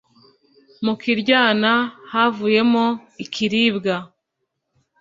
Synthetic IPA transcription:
mukiɾɟaːnahavuje̞moikʰiɾiːbɡa

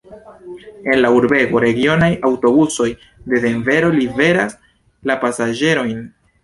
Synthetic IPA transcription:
e̞nlauɾbe̞ɡo̞ɾe̞ɡio̞najawto̞buso̞j | de̞de̞ɱve̞ɾo̞live̞ɾas | lapasad͡ʒe̞ɾo̞jn

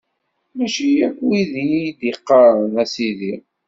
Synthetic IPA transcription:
mæʃijækʷːwiðid̪iqːəɾnæsiði

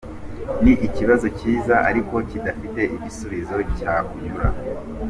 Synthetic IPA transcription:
niʔiciβazo̞ciːzaʔa̰ɾiko̞cidafite̞ʔiɟisuβizo̞caujuɾa

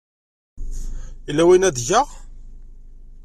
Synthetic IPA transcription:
ilːæwinæðʝəʁ

